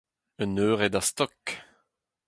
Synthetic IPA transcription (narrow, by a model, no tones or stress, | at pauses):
ənøːʁɛd̪ast̪ɔk